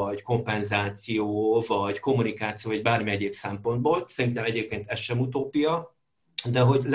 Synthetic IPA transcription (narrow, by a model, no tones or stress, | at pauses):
ɒɟko̞mpɛnzaːt̪sijoːvɒɟko̞mːunikaːt̪sijoːvɒɟbaːrmiɛɟeːpsɛmpo̞nd̪boːlsɛɾint̪ɛmɛɟeːp̚keːnt̪ɛsʃːɛmut̪̬oːpijɒ | d̪ɛɦo̞ɟl